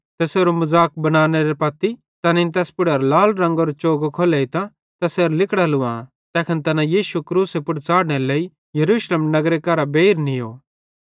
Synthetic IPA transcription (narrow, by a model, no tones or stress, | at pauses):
t̪ɛseːɾomɐzaːk̚bɐnaːneɾepɐt̪ːi | t̪ɐnɪnt̪ɛːspʊɽəɾlaːlɾɐ̃ŋɡoɾot͡ʃoːɡokʰoːleit̪ã | t̪ɛseːɾlɪkɽalʊã | t̪ɛːkʰənt̪ɐnãjiːʃukɾuːsepʊɽt͡saːɽɽ̃eleːi | jɐɾuːʃleːmnɐɡɾekɐɾabeːɾnijo̰ː